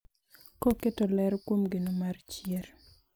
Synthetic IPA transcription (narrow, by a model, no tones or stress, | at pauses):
kɔketɔlɛɾkwomɡenomart͡ʃjeɾ